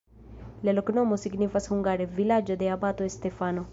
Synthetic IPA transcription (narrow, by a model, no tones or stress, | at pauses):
leloknomosiɡnifashuŋɡaɾevilad͡ʒod̪eabat̪oest̪efano